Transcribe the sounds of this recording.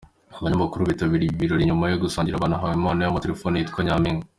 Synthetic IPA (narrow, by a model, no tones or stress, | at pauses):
aβaɲaβakuɾuβitaβiɾiβiɾo̞ɾiɲumajoɡusaːɲɟiɾaβaːnaɦawimaːnojamate̞ɾefoːnijitkʰoɲamiŋ